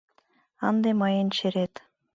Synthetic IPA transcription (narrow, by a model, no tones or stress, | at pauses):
ɑnd̪emɑjɤnt͡ɕeɾet̪